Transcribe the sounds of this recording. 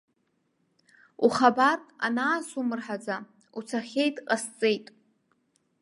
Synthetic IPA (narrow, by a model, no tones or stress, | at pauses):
uχabara̰naːsumɨrħad͡za | ut͡sʰaχʲe̞jtʼqʼast͡sʼe̞jtʼ